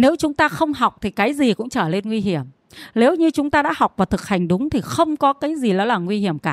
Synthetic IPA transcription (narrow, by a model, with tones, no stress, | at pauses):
ne˨˦wt͡ɕʊ˨˦ŋ͡mt̪aː˧xə˧wŋ͡mɦɔ˨˩wk͡p̚t̪ʰi˨˩kaː˨˦jzi˨˩kʊ̰˧˥ŋ͡mt͡ɕəː˧˩le˧nŋwi˧ɦi˧˩əm | ne˨˦wɲɨ˧t͡ɕʊ˨˦ŋ͡mt̪aː˧ɗa̰ː˧˥hɔ˨˩k͡p̚vaː˨˩t̪ʰɨ˨˩k̚ha˨˩jŋ̟ɗʊ˨˦ŋ͡mt̪ʰi˨˩xə˧wŋ͡mkɔ˨˦kaː˨˦jzi˨˩lɔ˨˦laː˨˩ŋwi˧hi˧˩əmkaː˧˩